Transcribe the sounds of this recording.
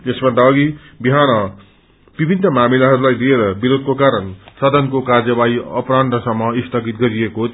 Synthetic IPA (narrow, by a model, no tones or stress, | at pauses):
t̪esbʌnd̪aʌɡi | biɦanʌ | b̥ibʱinːʌmamilaɦʌɾulajlieɾʌbiɾod̪̚ʱkokaɾʌnsʌd̪ʱʌnkokard͡zʌbaiʌ̰pranɖʌsʌmːʌist̪ʰʌɡit̪̚ɡʌɾijeko